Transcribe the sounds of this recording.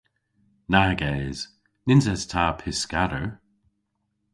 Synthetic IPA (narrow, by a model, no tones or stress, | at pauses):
naːɡɛːz̥ | nɪnzɛstʰaːpʰɪskaɾə